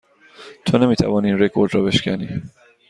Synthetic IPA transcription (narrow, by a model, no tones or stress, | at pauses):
t̪ʰoːnemiːt̪ʰæ̰vɒːniːnrekʰoɾd̪ɾɒːbe̞ʃkʰænḭː